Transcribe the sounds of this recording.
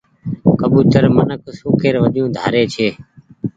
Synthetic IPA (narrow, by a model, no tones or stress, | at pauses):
kəbuːt̪əɾmənəksoːkeːɾʋəɗjũːd̪ʱa̰ːɾeːt͡ʃʰeː